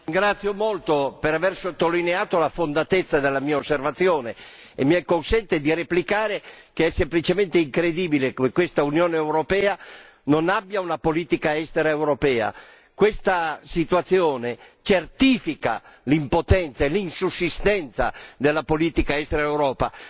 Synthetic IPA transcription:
iŋɡɾat̪sːjomolt̪opeɾavɛrsot̪ːolineaːt̪olafond̪at̪et̪sːad̪elːamiːaosːervat̪sːjoːne | ḛmːiɛkːonsɛnt̪ed̪ireplikaːɾekeɛsːemplit͡ʃement̪eiŋkɾed̪iːbilekekːwest̪aunjoːneɛwɾopɛːa | nonabːjaunapoliːt̪ikaɛst̪eɾaewɾopɛːa̰ | kwest̪asit̪uwat̪sːjɔːnet͡ʃert̪iːfika̰limpot̪ɛnt̪saelinsusːist̪ɛnt̪sa̰d̪elːapoliːt̪ikaɛst̪eɾaewɾɔːpa̰

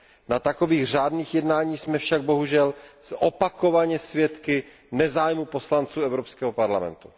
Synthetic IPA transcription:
nat̪ako̞viːɣr̝aːdniːxjɛdnaːɲiːsmɛfʃaɡ̚bo̞ɦuʒɛlzʔopakovaɲɛsvjɛt̪kɪ | nɛzaːjmupo̞slant͡suːɛvɾopskɛːɦopaɾlamɛ̰nt̪u̥

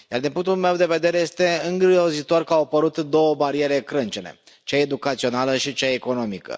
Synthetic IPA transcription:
jard̪inpuŋk̚t̪ulme̞wd̪e̞ve̞d̪e̞ɾe̞jest̪e̞ɨŋɡɾiʒo̞zit̪o̞rkəawapəɾut̪d̪o̞wəbaɾie̞ɾe̞kɾɨnt͡ʃenḛ | t͡ʃaed̪ukat̪sio̞naləʃit͡ʃaeko̞no̞mikə̰

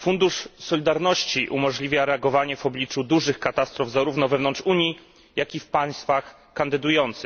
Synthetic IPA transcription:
fund̪uʂsɔlʲid̪aɾnɔɕt͡ɕiʔṵmɔʐlʲivʲjaɾɛaɡɔvaɲɛvɔblʲit͡ʂud̪uʐɘxkat̪ast̪ɾɔvzaɾuvnɔvɛvnɔnt͡ʂuɲji | jakʲifpaj̃st̪fax | kand̪ɘd̪ujɔnt̪sɘ

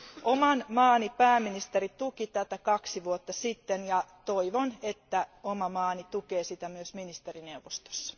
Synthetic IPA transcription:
ʔomɑnmɑːnipæːmːinist̪erit̪ukit̪æt̪ækɑksiʋuot̪ːɑsit̪ːenjɑt̪oiʋonet̪ːæomɑmɑːnit̪ukeːsit̪æmyøsminist̪erinewʋost̪o̥sːɑ̥

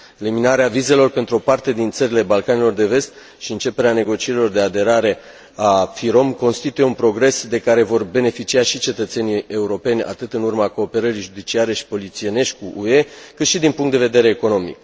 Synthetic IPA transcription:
e̞liminaɾeavize̞lo̞rpe̞nt̪ɾuo̞part̪e̞d̪int̪səɾile̞balkane̞lo̞rd̪e̞ve̞st̪ | ʃiɨnt͡ʃe̞pe̞ɾeane̞ɡo̞t͡ʃieɾilo̞rd̪e̞ad̪e̞ɾaɾe̞ | afiɾo̞mko̞nst̪it̪ujeunpɾo̞ɡɾe̞sd̪e̞kaɾe̞vo̞rbe̞ne̞fit͡ʃiaʃit͡ʃe̞t̪ət̪se̞nie̞uɾo̞pe̞nʲa̰t̪ɨt̪ɨnurmako̞ːpe̞ɾəɾiʒud̪it͡ʃiaɾe̞ʃi̥po̞lit̪sie̞ne̞ʃt̪ʲkuʔue̞kɨt̪ʃid̪inpuŋkt̪d̪eve̞d̪e̞ɾe̞ːko̞no̞mḭk

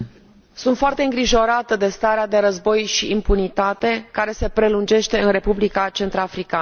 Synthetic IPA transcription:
sunt̪foart̪e̞ɨŋɡɾiʒo̞ɾat̪əd̪e̞st̪aɾead̪e̞ɾəzbo̞jʃiimpunit̪at̪e̞kaɾe̞se̞pɾe̞lund͡ʒe̞ʃt̪e̞ɨnre̞publikat͡ʃe̞nt̪ɾafɾika

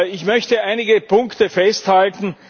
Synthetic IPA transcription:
ɪçmœçtəaɪnɪɡəpʰʊŋktəfɛsthaltn̩

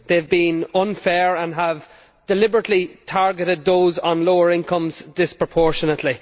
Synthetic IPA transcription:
ðeɪvbĩnʌ̃nfɛːɹə̃nəv | d̥ɪlɪbəɹətlitʰaɹɡəɾɪd̪̚ðoːzn̩loːə˞ɪ̃nkʰʌ̃mzd̥ɪspɹ̥əpʰɔɹʃənətʰli

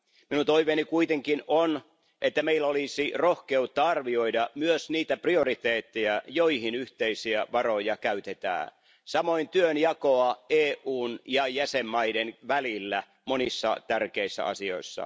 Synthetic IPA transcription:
minunt̪oiʋeːnikuit̪eŋkinʔon | ʔet̪ːæmeilːæolisirohkeut̪ːɑɑrʋioidɑmyøsniːt̪æpriorit̪eːt̪ːejæjoihinyht̪eisiæʋɑrojɑkæyt̪et̪æ̰ː | sɑmoint̪yønjɑkoɑeːʔuːnjɑjæsemːɑidenʋælilːæ | monisːɑ̰t̪ærkeisːæ̰ɑ̰sio̞̰isːɑ̰

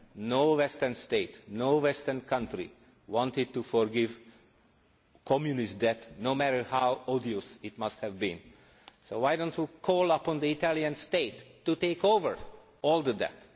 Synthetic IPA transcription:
nowɛstənstetnoːwɛstənkʰʌ̃ntɾḭ | wɔ̃ntid̚tufɔɹɡɪv | kʰɔmjunistd̪ɛt̪nomæɾə˞hawɔdiositmʌsthɛvbĩn | sowajdõntwikʰɔːlˠʌpɔ̃nd̪əitæliãnsteɪtːuteɪkovəɹ | ɔːld̪ədɛ̰t̪

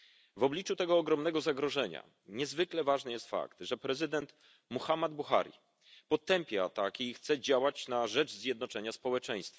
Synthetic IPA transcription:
vɔblʲit͡ʂut̪ɛɡɔːɡɾɔmnɛɡɔzaɡɾɔʐɛɲa̰ | ɲɛzvɘklɛvaʐnɘjɛst̪fa̰kt̪ʐɛpɾɛzɘd̪ɛnt̪ | muxamad̪̚buxa̰ɾʲḭ | pɔt̪ːɛmpʲjaat̪akixt̪sɛd͡ʑawat͡ɕnaʐɛd͡ʐzʲjɛd̪nɔt͡ʂɛɲaspɔwɛt͡ʂɛj̃st̪fa

